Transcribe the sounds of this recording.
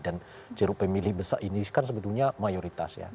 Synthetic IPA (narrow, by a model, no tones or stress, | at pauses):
dan | t͡ʃəɾupəmilɪhbəsaʔiniskans̬əbət̪ulɲamajoɾit̪a̰sja̰